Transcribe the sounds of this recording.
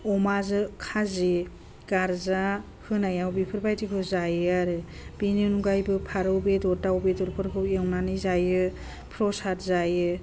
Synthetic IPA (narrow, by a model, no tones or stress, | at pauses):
ɔmazɯkʰaze | ɡ̥aɾza | hɯnajawbipʰɯɾbajtikʰɯzajaɾɯ | binɯnuɡajbɯpʰaɾɯwbedɔɾdawbedɔɾpʰɯɾkʰɯwewnanɯjzajɯ | pʰɾɔsatʰzajɯ